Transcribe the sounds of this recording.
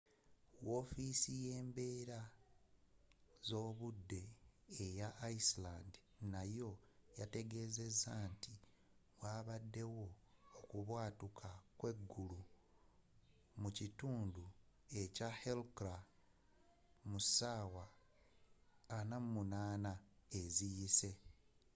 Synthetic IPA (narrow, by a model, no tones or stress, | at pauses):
wo̞ːfisije̞ːmbe̞ːɾa | zo̞ːβudːe̞ːjaʔːislandi | najo̞jate̞ɡe̞ze̞zanti | waːβadːe̞wo̞ː | kuβwaːtukʰakwe̞ɡːulu | mucituːndue̞cahelkɾa | musaːwa | namumunaːnaezijise̞